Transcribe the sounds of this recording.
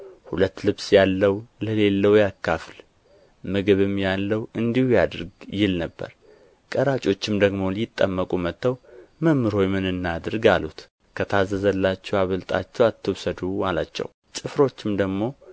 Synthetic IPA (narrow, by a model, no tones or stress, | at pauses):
hulət̪ːlɨβsjalːəwləle̞lːəwjakːafl | mɨɡɨβɨmjalːəwɨnd̪ihujad̪ɾɡjɪlnəbːə̰ɾ | kʼəɾat͡ʃʼo̞t͡ʃːɪmd̪əɡmo̞lɪt̪ʼːəmːəkʼumət̪ʰːəwməmːɨɾho̞jmɨnɨnːad̪ɨɾɡalut̪ | kʰət̪ʰazːəzəlːat͡ʃːɛwaβəlt̪ʼa̰t͡ʃːɛwat̪ʰːɨwsəd̪umalat͡ʃːɛ̰w | t͡ʃʼɨfɾo̞t͡ʃːɪmd̪əɡmo̞